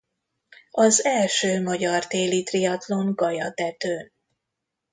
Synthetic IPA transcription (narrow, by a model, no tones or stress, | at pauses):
ɒzɛlʃøːmɒɟɒrt̪eːlit̪rijɒt̪lo̞ŋɡɒjɒt̪ɛt̪øːn